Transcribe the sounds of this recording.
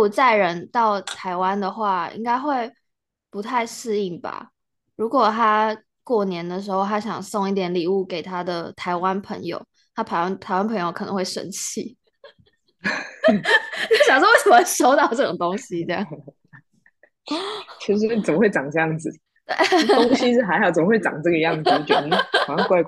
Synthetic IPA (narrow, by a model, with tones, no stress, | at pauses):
u˨˩t͡sa˥˩ɪɻə˧˥nt̪ɑ˥˩ʊt̪ʰa˧˥ɪwa˥nd̪ə˨xwa˥˩ḭ˥ŋɡa˥ɪxwe˥˩ɪ | pu˧˥t̪ʰa˥˧ɪʂɹ̩˥˧i˥˩ŋba̰˨˩ | ɻu˧˥kwɔ˨˩t̪ʰa˥ | kwɔ˥˩njɛ˧˥nd̪ə˨ʂ̬ɻ̩˧˥xo˥˧ʊt̪ʰa˥ɕjɑ˨˩ŋso˥˧ŋi˥˩t̪jɛ˨˧˥nli˨˩u˥˩ke˨˩ɪt̪ʰa˥d̪ə˨˩t̪ʰa˧˥ɪwa˦npʰə̰˧˥ŋjo̰˧ʊ | t̪ʰa˥pʰa˧˥a˥nt̪ʰa˧˥ɪwa˥npʰɤ˧˥ŋjo˧ʊkʰɤ˨˩nə̰˧˦ŋxwe˥˩ɪʂə̰˧˥nt͡ɕʰḭ˥˩˥ | ɕjɑ˨˩ŋʂ̬wɔ˥we˥˩ɪsə˨˩mə˦wʂo˥ʊt̪ɑ˨˩ʊʈ͡ʂɤ˥˩ʈ͡ʂo̰˨˩ŋt̪o˥ŋɕi˧ʈ͡ʂjɑ̰˥˨˩ŋ | t͡ɕo˧˩˥ʂ̩˧˥we˥˩t͡sə˨˩mə˦we˥˩ɪʈ͡ʂɑ˨˩ŋʈ͡ʂɤ˥˧jɑ˥˩ŋd͡zɹ̩˨˩ | t̪we˥˩ɪo˥ŋɕi˥ʂɻ̩˥˧xa˧˥ɪxɑ˨˩ʊt͡sə˨˩mə˦˥we˥˩ɪɑ̰˨˩ŋʈ͡ʂɤ˥ɡə˩˧jɑ˥˩ŋ̩˩˨˧t͡ɕoɛ˧˩˥a˨˥˧kwa˥˧ɪk